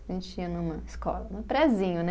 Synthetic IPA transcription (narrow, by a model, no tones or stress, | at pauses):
ẽnt͡ʃɪiɐnũmɐɪskɔ̰lɐnʊpɾɛzĩɲʊnɛ